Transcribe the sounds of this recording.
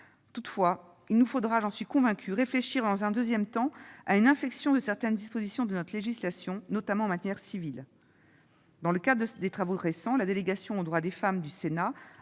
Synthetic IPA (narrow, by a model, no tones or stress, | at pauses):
t̪ut̪fwa | ilnufod̪ʁaʒɑ̃sɥikɔ̃vɛ̃kʲʰyʁefleʃiʁd̪ɑ̃zɛ̃d̪øzjɛmt̪ɑ̃aynɛ̃fɛksjɔ̃d̪əsɛʁt̪ɛnd̪ispozisjɔ̃d̪ənɔt̪χleʒislasjɔ̃nɔt̪amɑ̃ːmat̪jɛʁsivil | d̪ɑ̃ləkad̪ʁədəd̪et̪χavoʁesɑ̃lad̪eleɡasjɔ̃od̪ʁwad̪efamd̪ysena